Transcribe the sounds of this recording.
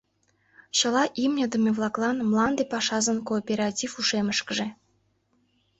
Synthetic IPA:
ɕɤ̆lˠɑʔimnʲə̆d̪ə̆mʲevlˠɑklˠɑnmlˠɑnd̪epɑʃɑzə̆nkoːpʲeɾɑtʲifuʃeməʃkə̆ʒĕ

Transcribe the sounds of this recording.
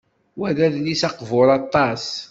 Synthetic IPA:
wæɾæðlisɑqvʊɾˤɑt̪ˤːɑs

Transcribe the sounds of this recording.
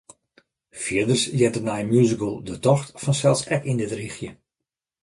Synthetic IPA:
fiədərsjɛtənɛjmjuzikəlˠdətɔxtfɔnsɛlˠsɛkindɪtrixjə

